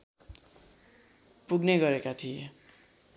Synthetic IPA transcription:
puɡneɡʌɾekat̪ʰije

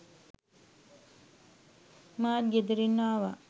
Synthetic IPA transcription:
maːt̪ɡed̪iɾinːaːʋa

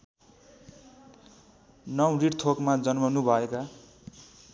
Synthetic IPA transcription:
nʌwriɽt̪ʰokmad͡zʌnmʌnubʱʌeka

